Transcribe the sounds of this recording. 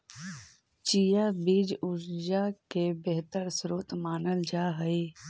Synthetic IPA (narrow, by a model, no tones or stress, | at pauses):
t͡ʃijabiːd͡ʒʊɾd͡ʒakebeɦt̪əɾsɾoːt̪maːnəld͡ʒaːɦəi